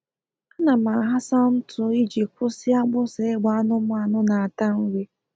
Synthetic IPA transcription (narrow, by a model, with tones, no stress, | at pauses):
a˦na˨ma˨ɦa˦sa˦m̩˦tʊ˨˦i˦d͡ʒi˨kʷʊ˦sɪ˦a˦ɡ͡bʊ˦se˨˦ɡ͡ba˨˦nʊ˦mʊ˦a˨nʊ˦na˨a˨ta˦ŋ̩˦wi˦